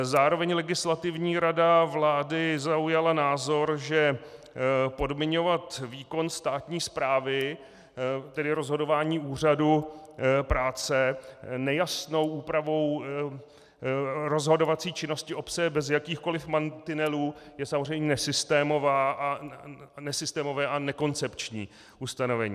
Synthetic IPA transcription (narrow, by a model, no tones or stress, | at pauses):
zaːɾovɛɲlɛɡɪslat̪ɪvɲiːɾadavlaːdɪzaujalanaːzo̞ɾʒɛ | po̞dmɪɲo̞vat̪viːko̞nst̪aːt̪ɲiːspɾaːvɪ | t̪ɛdɪɾo̞zɦo̞do̞vaːɲiːuːr̝adu | pɾaːt͡sɛnɛjasno̞wʔuːpɾavo̞w | ɾo̞zɦo̞do̞vat͡siːt͡ʃɪno̞scɪʔo̞pt͡sɛbɛzjakiːxko̞lɪfmant̪ɪnɛluːjɛsamozrɛjmɲɛnɛsɪst̪ɛːmo̞vaːʔa | nɛsɪst̪ɛːmo̞vɛːʔanɛko̞nt͡sɛpt͡ʃɲiː | ʔust̪ano̞vɛɲiː